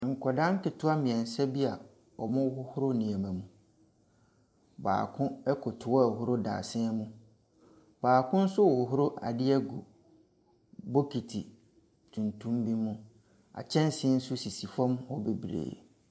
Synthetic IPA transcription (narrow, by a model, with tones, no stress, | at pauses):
ŋ̩˨kʰɔ˨dã˦ŋ̩˦kɪ˨tʰʊ˦a˦mɪ̃˨ɛ̃˨n˨sɛ˦bi˦a˨ | ɔ˨mʊ̃˦whʊ˦hʊ˦ɾʊ˦nĩ˨ɛ̃˨mɛ̃˨mũ˨ | ba̰ː˨kʰʊ̃˦ɛ˦kʰʊ˨tʰʊ˨wɔ˦ɛ˨ɦʊ˦ɾʊ˦da̰ː˨sɪ̃˦ɛ˦mũ˦ | baː˨kʰʊ̃˦n̩˦sʊ˦wɔ˨hʊ˨ɦʊ˦ɾo˦ʔa̰˨dɪ˦ɛ˦ɡṵ˨ | bo˦kʰi˨tʰḭ˨ | tʰũ˨ntʰũ˦mbi˦mũ˦ | a̰˨t͡ɕʰɛ̃˦n˦sɪ̃˦n̩˦sʊ˦si˨si˨fã˦mhɔ˦be˨bɾḛː˨